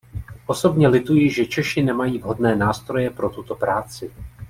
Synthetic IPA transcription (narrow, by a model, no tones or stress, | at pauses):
ʔo̞so̞bɲɛlɪt̪ujɪʒɛt͡ʃɛʃɪnɛmajiːvɦo̞dnɛːnaːst̪ɾo̞jɛpɾo̞t̪ut̪o̞pɾaːt͡sɪ